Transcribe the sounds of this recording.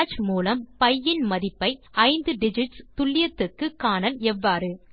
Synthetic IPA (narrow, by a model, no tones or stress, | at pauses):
t͡ʃmuːlɐmpɐjːɪnmɐðɪpːɐɪɐɪnd̪ɯɖɪd͡ʒɪʈst̪ʊɭːɪjɐt̪ːɯkːɯkːaːnɐlɛʋːaːɾɯ